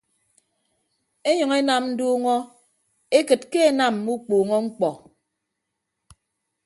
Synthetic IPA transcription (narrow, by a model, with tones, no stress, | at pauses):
e˦ɲɔ˨ŋe˦na˨mn̩˦duː˦ŋɔ˦ | e˦kɨ˨t̚ke˦e˨na˨m˨mu˦k͡puː˨ŋɔ˦ŋ͡m̩˦k͡pɔ˨